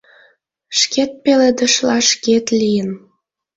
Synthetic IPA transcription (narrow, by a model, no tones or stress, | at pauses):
ʃket̪̚peled̪əʃlɑʃket̪lʲijən